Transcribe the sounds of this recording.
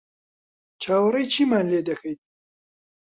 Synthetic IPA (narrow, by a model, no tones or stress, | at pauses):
t͡ʃʰaːwɐɾɐjt͡ʃʰiːmaːnleːd̪ɐkʰɐjt̪̚